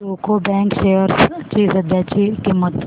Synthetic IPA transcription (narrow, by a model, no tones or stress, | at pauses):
oːkobɛ̃ːŋkʃeːəɾst͡ʃizɐd̪ʱjaːt͡ʃikimət̪